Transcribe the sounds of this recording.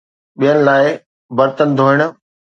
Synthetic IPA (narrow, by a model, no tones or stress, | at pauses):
ɓijənɪ̆laːɪ | bɐɾt̪ənd̪ʱoːɪɽ̃ʊ̆